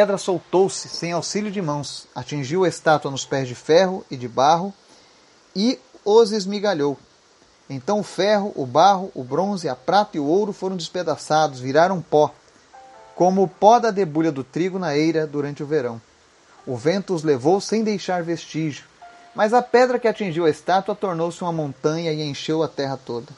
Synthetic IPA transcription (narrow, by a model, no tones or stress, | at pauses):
pɛd̪ɾɐsowt̪owsɪ̥sẽj̃awsiʎʊd͡ʒɪmɐ̃w̃sat͡ʃĩʒiwɐest̪at̪uɐnʊspɛzd͡ʒɪfɛɦʊɪd͡ʒɪbaɦʊ | ɪʊzɪzmiɡaʎow | ẽnt̪ɐ̃w̃ʊfɛɦʊʔʊbaɦʊʔʊbɾõzɪɐpɾat̪ɐɪʊowɾʊfoɾɐ̃w̃d̪d͡ʒɪsped̪asad̪ʊzviɾaɾɐ̃w̃pɔ | kõmʊːpɔd̪ɐd̪ebuʎɐd̪ʊt̪ɾiɡʊnɐejɾɐd̪uɾɐ̃nt͡ʃɪʊveɾɐ̃w̃ | ʊvẽnt̪ʊʊzlevowsẽj̃d̪ejʃaɾvest͡ʃiʒʊmɐzɐpɛd̪ɾɐkɪat͡ʃĩʒiwɐest̪at̪wɐt̪oɾnowsɪũmɐmõnt̪ɐ̃ɲɐɪẽʃewɐt̪ɛɦɐt̪od̪ɐ